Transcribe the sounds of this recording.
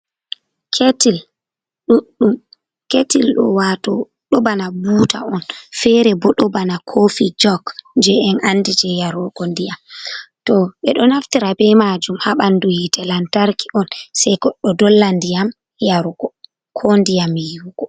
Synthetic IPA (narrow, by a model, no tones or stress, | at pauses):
kʰetil | ɗuɗːum | ketilɗɔ̰watɔ | ɗɔbanabuːta̰ɔnfɛɾɛbɔɗɔbanakʰofid͡ʒɔknd͡ʒɛɛnʔanːdid͡ʒɛjaɾɔɡɔndijamtɔɓɛɗɔnaftiɾabɛmad͡ʒumhaɓanduhitɛlantaɾkiʔɔnsɛjkɔɗːɔdɔlːandijam | jaɾɔɡɔ | kʰɔndijamijuɡ̥ɔ